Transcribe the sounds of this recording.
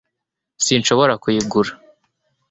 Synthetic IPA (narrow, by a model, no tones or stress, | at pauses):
sinʃo̞βo̞ɾakujiɡuɾḁ